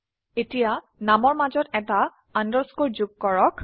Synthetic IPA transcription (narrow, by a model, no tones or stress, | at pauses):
etija | namɔɹmazɔtɛta | andɔskoɹzuɡ̚kɔɹɔk